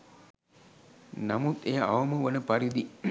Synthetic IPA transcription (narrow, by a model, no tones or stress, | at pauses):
nɐmut̪eːa̰ʋɐməʋɐnəpɐɾid̪i